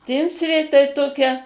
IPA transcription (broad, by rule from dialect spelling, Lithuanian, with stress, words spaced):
ˈtʲɪmʲsʲrʲeː tɐɪ ˈtoːkʲɛ